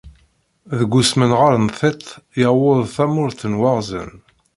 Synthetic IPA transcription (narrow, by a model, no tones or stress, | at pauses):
ðəɡʷusmənʁaɾənθet̪ˤːjəwʊðˤθæmʊɾθənwɑʁzə̰n